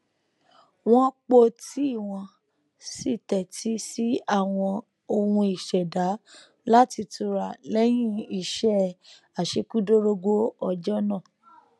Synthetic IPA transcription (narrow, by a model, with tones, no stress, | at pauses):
w̃ɔ̃˦k͡po˧ti˦i˦˨w̃ɔ̃˧ | si˦˨tɛ˨ti˦si˦a˦˨w̃ɔ̃˧ | o˧hũ˧i˨ʃɛ˨da˨˦ | la˦ti˧tu˧ɾa˨lɛ˦j̃ĩ˦i˦˨ʃɛ˦ | a˨ʃe˧ku˦do˦ɾo˧ɡo˦ɔ˧d͡ʒɔ˦nã˦˨